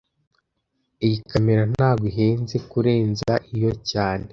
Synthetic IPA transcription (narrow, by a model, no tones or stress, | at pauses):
ijikameɾan̥aːɡiɦeːnzekuɾe̞ːnzaʔijo̞caːne